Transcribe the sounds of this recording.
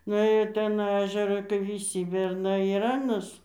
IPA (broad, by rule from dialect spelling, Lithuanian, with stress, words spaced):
nʊˈeːjoː ɪr ˈtʲɛn ˈæːʒʲɛrɐ kɐɪ ʋʲɪˈsʲiː bʲɛrˈnɐɪ ɪr ˈɑːnɐs